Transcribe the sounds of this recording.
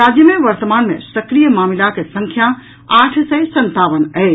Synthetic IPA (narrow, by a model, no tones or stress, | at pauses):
ɾad͡ʒjəmẽʋəɾt̪əmaːnmḛ̃səkɾijəmamilakesəŋkʰja | aʈʰsəjsənt̪aʋənəɪ